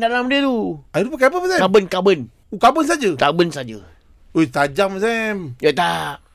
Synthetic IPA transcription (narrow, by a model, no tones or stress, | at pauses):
dalamdiət̪uaidupəkapəmasɛkabənkabən | ukabəns̬ad͡ʒət̪abənsad͡ʒə | ojt̪ad͡ʒamas̬ɛmd͡ʒat̪a